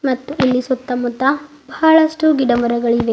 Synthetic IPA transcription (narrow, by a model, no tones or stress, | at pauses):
mɐt̪ːuʔelːisut̪ːɐmut̪ːɐ | bʱaːɭɐʂʈuɡiɖɐmɐɾɐɡɐɭiʋe